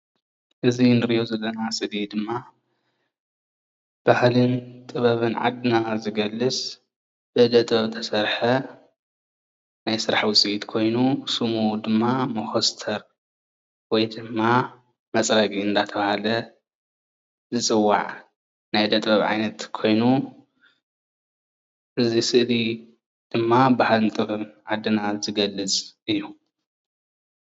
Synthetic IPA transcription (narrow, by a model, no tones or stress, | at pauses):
ʔɨzinɨɾɨʔozɐlːɐnasʼɨd̪id̪ɨmːa | b̥ahlɨnt̪ʼɨβɐβɨnʕa̰d̪nazɨɡɐlːɨsʼ | b̥ɨd̪ɐt̪ʼbɐβt̪ʰɐsɐɾħɐ | najsɨɾaħwʊsʼiit̪kʰo̞jnusumud̪ɨmːamɐxost̪ʰɐɾ | wɔjd̪ɨmːa | mɐt͡sʼɾɐkʼiɨnd̪at̪ʰɐβahalɐ | zɨt͡sʼɨwːa̰ʕ | najd̪ɐt̪ʼbɐβʕa̰jnɐt̪kʰo̞jnu | ʔɨzisɨʔli | d̪̥ɨmːabahalɨnt̪ʼɨɾɨmʕad̪ːɨnazɨɡɐlːɨt͡sʼɨjːu